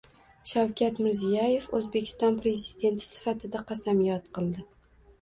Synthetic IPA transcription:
ʃawkʲʰat̪mɪɾzijaje̞fɵzbe̞kʲʰɪ̥st̪ɒnpɾe̞zid̪e̞nt̪ʰɪ̥sɪ̥fat̪ʰɪd̪aqʰɑsamijɒt̪qɨlˠd̪ɪ

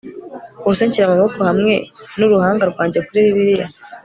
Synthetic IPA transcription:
oseɲciɾamaβofuhamŋe̞nuɾuhaːŋɡaɾɡwaːɲɟekuɾiβiβiɾija

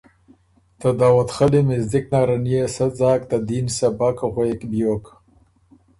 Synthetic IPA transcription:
t̪ad̪aːwat̪xalimɪzd̪ɪk̚naːɾanijesazɑːkt̪ad̪insabakaɣwakbjok

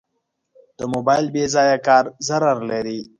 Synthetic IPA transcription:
d̪̥əmobajlbezaːjakɑːɾzaɾaɾlaɾi

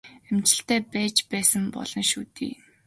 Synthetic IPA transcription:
emt͡ɕɪ̆ɬt̪æːpæːt͡ɕpæːsə̆mpɔ̰ɮ̥ɞ̆nʃuːt̪ḭː

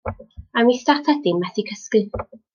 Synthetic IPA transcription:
amistaθʰad̥ɪmːɛθikʰəskɨ

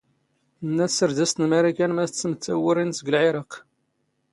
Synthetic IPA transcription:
nːæsəɾd̪æst̪nmæɾikænmæθət͡sːəmət͡sːæwəɾinsəɡəlʕeɾˤɑq

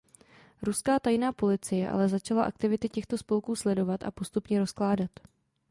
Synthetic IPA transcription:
ɾuskaːt̪ajnaːpo̞lɪt͡sɪjɛʔa̰lɛzat͡ʃalaʔa̰kt̪ɪvɪt̪ɪcɛxt̪o̞spo̞lkuːslɛdo̞vat̪ʔa̰po̞st̪upɲɛɾosklaːdat̪

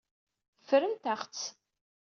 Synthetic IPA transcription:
fɾəmt̪æχt͡sː

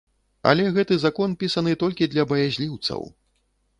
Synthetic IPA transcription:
ɐ̰lʲɛɣɛt̪ɨzakɔnpʲisɐnɨt̪ɔlʲkʲid̪lʲɐbɐjazʲlʲiwt̪sɐ̰w

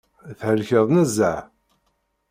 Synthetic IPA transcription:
θhəlçəðˤnəzːəʕ

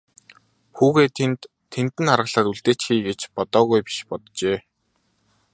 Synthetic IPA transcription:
xuːɣeːt̪ʰent̪ʰː | ent̪ɘ̆narʁə̆ɮaːtuɮt̪eːt͡ɕxiːɡet͡ɕpɔt̪ɔːɣujpi̥ʃpɔt̪t͡ɕeː

